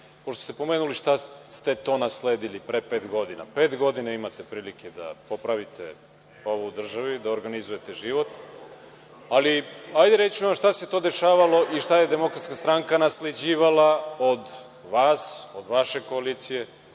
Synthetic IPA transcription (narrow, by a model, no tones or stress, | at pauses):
poʃt̪ost̪epo̞meːnuliʃt̪ast̪e̞t̪o̞ːnasleːd̪ilipɾepeːt̪ɡo̞d̪ina̰peːt̪ɡo̞d̪inaimat̪epɾiːliked̪a̰po̞pɾaʋit̪ʰḛ | o̞ʋuud̪r̩ʒaʋid̪aoɾɡanizuje̞t̪eʒiʋo̞t̪ | aliajd̪eɾet͡ɕuamʃt̪aset̪o̞ːd̪e̞ʃaːʋalo̞ʔiʃt̪aje̞d̪emo̞kɾat̪skast̪ɾaŋkanasled͡ʑiːʋalao̞d̪ | ʋaːsod̪ʋaʃe̞ko̞aliːt̪sije̞